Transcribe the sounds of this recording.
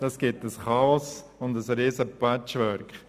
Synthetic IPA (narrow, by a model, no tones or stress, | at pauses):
d̥ɑsɡ̥ɪtəsχɑɔsʊndəsɾiːsəpæt͡ʃʋœɾkχ